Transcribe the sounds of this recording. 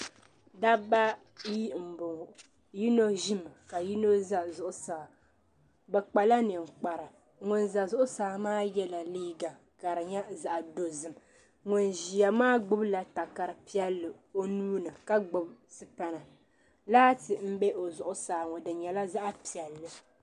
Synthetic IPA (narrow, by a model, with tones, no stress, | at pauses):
da˦ba˦ | ji˦m̩˨bʊ˨ŋ˨ | ji˦no˦ʒi˦m˨ka˨ji˦no˦za˦˨zʊ˨ʔʊ˨saː˨ | bɛ˨k͡pa˨la˦nɨ˨ŋ̩˨k͡pa˨ɾɨ˨ | ŋʊ˨nza˨zʊ˦ʔʊ˦saː˨˦˨maː˦jɛ˦la˨liː˦ɡa˨ | ka˨ɾɨ˨ɲɛ˦za˨ʔa˨do˨zɨ˨m | ŋʊ˨nʒi˨ja˨maː˦ɡ͡bʊ˦bla˨ta˨ka˨ɾɨ˨pi˦ɛ˦lːɨ˨ | o˦nuː˦nɨ˨ka˦ɡ͡bʊ˦bsɨ˦pa˦na˨ | laː˦tɨ˨m̩˦bɛ˦ʔo˨zʊ˨ʔʊ˦saː˨ŋɔ˨dɨ˨ɲɛ˨la˦za˦ʔa˦pi˨ɛ˨lːɨ˨